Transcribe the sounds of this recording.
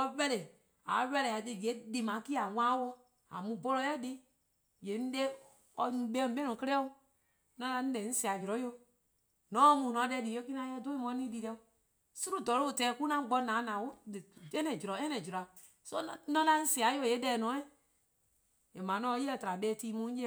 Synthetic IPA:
ɔ˧ɓɛ˦le˨ | a̰˨˦wɛ˧lɛ˨a˨de˧˨ɡɛ˨˦di˨mã˨˦ki˦a˨ŋʷãː˦wɔ˧˦ | a̰˨mũ˧˦bo˧lɔ˧˦jɛ˦di˦ | jɛ˨˦n̩˦de˦ | ɔ˧nũ˧ɓɛ̃˦˨˦ɓɛ˦nɔ̃˨kə˧lɛ˦o˦ | nã˧la˧ñ̩˦lɛ˨˦n̩˦si˦˨a˨d͡ʒu˨ɾɔ̃˨˦jo˧˦ | nɔ̃˨˦˧mũː˨nɔ̃˨˦ɛ˧˦di˨jo˦ki˦nã˧˦jɛ˦˨do˦ĩ˦mɔ̃˧˦nĩː˦li˧lɛ˧o˧ | su˦ɾo˦˨dɔ˨˦lo˦˨tɛ˨˦˨ku˦nã˦ɡ͡bɔ˧nãː˨˦nãː˨wo˦˨ɛ˦nɛ̃˨d͡ʒi˨ɾɔ˨˦ɛ̃˦nɛ̃˨d͡ʒu˨ɾa˨ | so˦˨nɔ̃˧˦la˧n̩˦si˦˨a˨˦jo˧˨e˨˦dɛː˨nɔ̃ː˨˦ɛ˦ | je˨mã˨˦nɔ̃ː˨˧˦ji˦ɛ˧˨ta˨ɾa˨ɓɛː˧˦tiː˧˦mũ˨˦e˦

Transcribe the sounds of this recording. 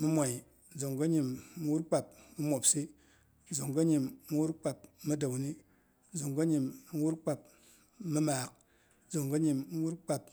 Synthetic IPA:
mi˦mʷa˨i˨˦ | zo˨ŋɡo˦ɲi˨mːi˦wu˦ɾk͡pa˨p̚mi˦mʷo˨psi˦˨ | zo˨ŋɡo˦ɲi˨mːu˦wu˦ɾk͡pa˨p̚mi˦do˨wni˦ | zo˨ŋɡo˦ɲi˨mːi˦wu˦ɾk͡pa˨p̚ | mi˦maː˨k̚ | zo˨ŋɡo˦ɲi˨mː˦wu˦ɾk͡pa˨p̚

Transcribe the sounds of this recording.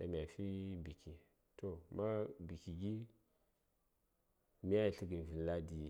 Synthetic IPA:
ɗa̰˨mi˨ja˨fi˦bi˨ki˨ | tʰo˨ma˦bi˨ki˨ɡi˦ | mi˦a˦˨ɬi˨ɡi˨n˨vi˨la˦di˨

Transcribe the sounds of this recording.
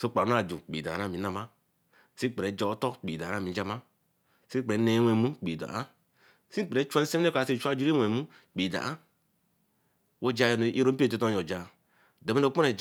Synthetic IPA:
so˦k͡pa˨˦a˨d͡ʒu˨k͡pḭ˨da̰˨na˦˨mi˨˦na˦ma˦ | si˦k͡pe˨ɾe˨˦d͡ʒo˨˦to˦kk͡pḭ˨da˨a˦˨mi˨˦d͡ʒa˦ma˦ | si˦k͡pɾe˨˦ne˨˦we˨mu˦k͡pi˨da̰˨a˦ | si˦k͡pe˨˦t͡ʃʷa˦se˦e˦kʷa˨se˦˨t͡ʃʷa˦d͡ʒu˦ɾi˦wʷe˨mu˦ | k͡pi˨da̰˨a˦ | wo˦d͡ʒa˦˨jo˨n˨i˦ɾo˦m˦e˨t̬o˦to˦jo˨d͡ʒa˨ | do˨me˦no˨˦k͡po˦ne˨

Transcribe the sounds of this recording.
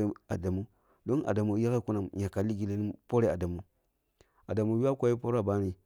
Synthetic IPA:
e˦a˨da˨mu˦ | do˦nʔa̰˨da˨mu˨ja˦ke˦ku˦na˨mɲa˨ka˨li˦ɡi˨le˦ni˦po˦ɾe˦a˨da˨mu˨ | a˨da˨mu˨˦ju˦a˦kʷa˦ji˦po˦ɾa˨ba˦ni˨

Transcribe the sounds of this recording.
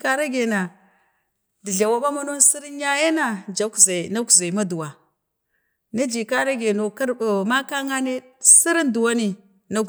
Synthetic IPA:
ka˦ɾa˦ɡe˨na˨ | di˨ɮa˨wa˦ba˦ma˦no˦nsi˦ɾi˦n˦ja˦je˦na˨d͡ʒa˨˦kza˨na˦ku˨za˨i˨ma˦du˨wa˨ | ni˦d͡ʒi˨ka˦ɾa˦ɡe˨no˨ka˦ɾma˦ka˦ŋa˦ne˦ | si˦ɾi˦ndu˨wa˦ni˨ | na˦

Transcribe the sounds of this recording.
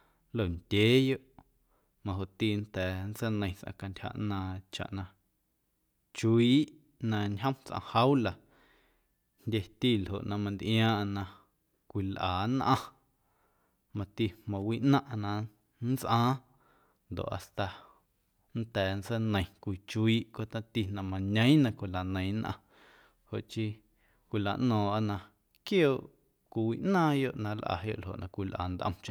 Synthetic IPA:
lo˦˨ndʲeː˦jo˦ʔ | mã˧ɦo˨ʔt̪i˧˨nt̪ɛː˨nt͡sə˦nə̃˧j̃t͡sʔã̰˧ka˧ntʲha̰˧ʔnãː˧t͡ʃa̰˨ʔnã˧ | t͡ʃiː˦ʔ | nã˧ɲɦə̃˦mt͡sʔã̰˧ha˦wla˨ | ndʲe˧t̪i˦˨lɦo̰˨ʔnã˧mã˧nd̪ʔj̃ãː˦ʔnã˧ | kʷi˧˨lʔaː˨nʔã̰˧ | mã˧t̪i˧hmã˨wiː˦ʔnã˦ʔnã˧ | n˦t͡sʔãː˦ | nd̪o̰˨ʔa̰˨st̪a˧˨ | n˦t̪ɛː˨nsə˦nə̃˨j̃kʷi˧t͡ʃiː˦ʔkʷo˦t̪ã˦t̪i˧nã˧mã˨ɲə̃˦j̃nã˧kʷi˨la˨nə̃˨j̃nʔã̰˧ | ho̰˨ʔt͡ʃi˦ | kʷi˧la˨ʔnɔ̃ː˨a˦˧ʔnã˧ | kjoː˦˨ʔ | kʷi˧wiː˧˨ʔnãː˦jo˦˨ʔnã˧lʔa̰˨jo̰˧ʔlɦo̰˨ʔnʔã̰˧kʷi˧lʔa̰ː˨nd̪ʔə̰̃˧mt͡ʃẽ˧˦

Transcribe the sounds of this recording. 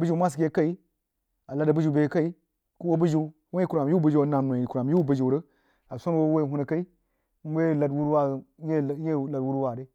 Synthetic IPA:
bɨ˦d͡ʒi˨˦mʷ˦a˦s̬i˨ɡʲe˦ka˦i˦ | a˨la˨˦də˨bɨ˦d͡ʒu˨be˨˦ka˦i˦ | ku˦wo˦bu˦d͡ʒi˨˦ | wo˦i˦ku˨ɾa˨mju˦bə˦d͡ʒi˦˨˦na˨mno˨i˨ku˨ɾa˨mju˦bə˦˨d͡ʒi˨u˨ɾə˦ | a˨sʷo˦n˦wo˦wo˦i˨hu˦na˨ka˦i˦ | m̩˦we˦˨la˨dwu˦ɾwa˦˨je˦˨˦je˦˨la˨dwu˦ɾu˦wa˨de˦

